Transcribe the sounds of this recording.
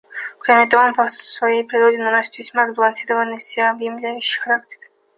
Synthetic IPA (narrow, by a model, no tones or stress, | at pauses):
kɾʲamʲɪt̪ɐvompəsvɐjejpɾʲɪɾodʲɪnɐnosʲɪ̥t̪vʲɪsʲmazbəlˠɐnsʲiɾəvənːɨsʲeɐbjɪmlʲæjʉɕːɪ̥jxɐɾak̚tʲɪ̥r